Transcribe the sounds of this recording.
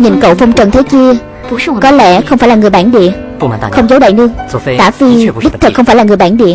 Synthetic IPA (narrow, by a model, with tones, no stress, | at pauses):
ɲḭ˨˩nkə̰˧˨wfə˧wŋ͡mt͡ɕə˨˩nt̪ʰe˨˦t͡ɕi˧ə | kɔ˨˦lɛ˧˥xə˧wŋ͡mfaː˧˩jlaː˨˩ŋɨ˨˩əjɓaː˧˩nɗḭ˧˨ə˧ | xə˧wŋ͡mzə˨˦wɗa̰ː˧˨jnɨ˧əŋk̪a̰ː˧˩fi˧˩ɗi˦˥t̪ʰɨ˨˩kxə˧wŋ͡mfaː˧˩jla˨˩ŋɨ˨˩jɓaː˧˩nɗḭ˧˨ə